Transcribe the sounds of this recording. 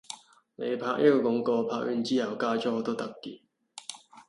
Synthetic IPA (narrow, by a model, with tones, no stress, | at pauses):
ne˨˧jpʰaː˧k̚ʔɐ˥kːɔː˧kʊ˨˧˥ŋkɔː˧pʰaː˧k̚jyː˧˥nt͡siː˥hɐ˨˩wkaː˥t͡ʃɔː˥˧t̪o˥t̪ɐ˥kːiː˨˧